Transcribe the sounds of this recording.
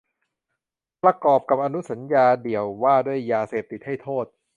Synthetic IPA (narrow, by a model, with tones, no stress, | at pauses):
pɾa˧kɔː˨˩p̚ka˨˩p̚ʔa˧nu˦˥sa˩˦njaː˧di˨˩əwːaː˥˩du˥˩əjːaː˧seː˨˩p̚t̪i˨˩t̪̚ha˥˩jt̪ʰoː˥˩t̪̚